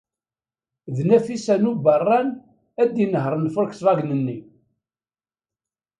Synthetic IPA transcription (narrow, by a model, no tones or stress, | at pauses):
ðnæfisænubərˤːɑn | æd̪inəɦɾˤənfʊɾksvˤɑɡnənːi